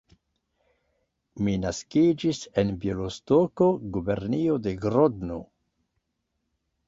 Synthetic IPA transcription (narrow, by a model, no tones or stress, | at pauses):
minaskid͡ʒisenbjolostoko̞ɡube̞ɾniode̞ɡɾodno̰